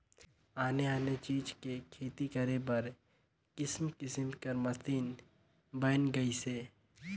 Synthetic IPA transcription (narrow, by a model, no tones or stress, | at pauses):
aːneaːnet͡ʃiːd͡ʒkekʰeːt̪ikɐɾebɐɾ | kɪsmkɪsəmkɐɾmɐsiːn | bənɡɐiseː